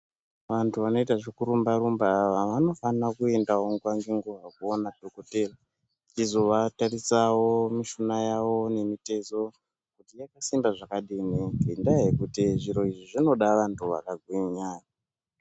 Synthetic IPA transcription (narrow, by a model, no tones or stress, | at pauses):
ʋantʰuʋano̞itaʐikuɾumbaɾumbaʋaʋano̞fanakue̞ndao̞ŋɡwaŋɡeŋɡuʋakuonadʱokotera | t͡ʃizo̞ʋatarisawomiʃunajawo̞ne̞mite̞zo̞ | kutijakasimbaʐakaɗinikindaɦekutiʐiɾo̞iʐiʐino̞ɗaʋantʰuʋa̰kaɡʱwiɲaːra